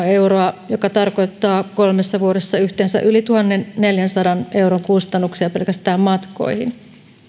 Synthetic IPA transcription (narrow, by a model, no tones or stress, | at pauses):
e̞uɾoɑjokɑt̪ɑrko̞jt̪ːɑːko̞lmesːɑʋuoɾesːɑyht̪eːnsæ̰ʔylit̪uhɑnːe̞nneljænsɑdɑnʔe̞uɾoŋkust̪ɑnːuksiɑpe̞lkæst̪æːmmɑt̪ko̰ihḭn